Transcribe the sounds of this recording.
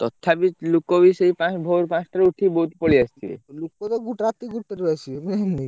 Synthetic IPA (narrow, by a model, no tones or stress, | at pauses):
t̪ɔt̪ʰːabilukobiseipãsbʱoɾpãsʈaɾuʈʰibɔɦut̪poɭiast̪ʰiḛlukːot̪ɔɡuʈɾat̪ːiɡuʈ̚peɾuasʰimeni